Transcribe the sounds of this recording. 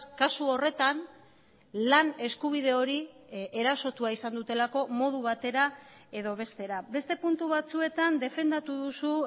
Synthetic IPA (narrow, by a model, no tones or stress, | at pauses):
kasuo̞re̞t̪an | lane̞skuβ̞ið̞e̞o̞ɾie̞ɾaso̞t̪uaisand̪ut̪e̞lako̞mo̞ð̞uβ̞at̪e̞ɾae̞ðo̞β̞e̞st̪e̞ɾabe̞st̪e̞punt̪uβat͡sue̞t̪and̪e̞fe̞nd̪at̪uðusu